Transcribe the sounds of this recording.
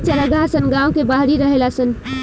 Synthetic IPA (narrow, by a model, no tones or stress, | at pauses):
t͡ʃəɾəɡasənɡãːwkebaɦɾiɾəɦelasən